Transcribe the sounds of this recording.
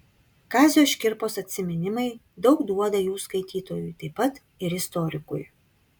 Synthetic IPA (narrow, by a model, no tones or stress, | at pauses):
kɑːzʲjoːʃʲkʲɪɾpoːsɐt̪ʲsʲɪmʲɛnʲɪmɐɪ | d̪ɒʊkd̪uɔd̪ɐjuːskɐɪt̪ʲiːt̪oːjʊjt̪ɐɪpːɐt̪ | ɪɾɪst̪ɔɾʲɪkʊ̰j